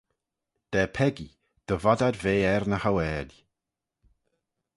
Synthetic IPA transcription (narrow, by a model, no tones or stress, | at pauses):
d̥ɛːpʰɛɡi | d̥əvadadveːɛrnəhawɛːdj